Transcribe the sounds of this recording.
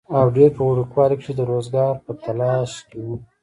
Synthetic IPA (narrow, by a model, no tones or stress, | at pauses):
awɖeɾpəuɽukwɑlikʃed̪əɾozɡɑɾpət̪anɑʃkewu